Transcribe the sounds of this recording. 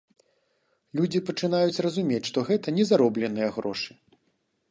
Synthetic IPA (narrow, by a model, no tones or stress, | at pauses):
lʲud͡zʲipɐt͡ʂɨn̪ajut͡sʲrɐzumʲet͡sʲʂt̪ɔɣɛt̪ɐnʲɛzaɾɔblʲɛnɨjɐɣɾɔʂɨ̥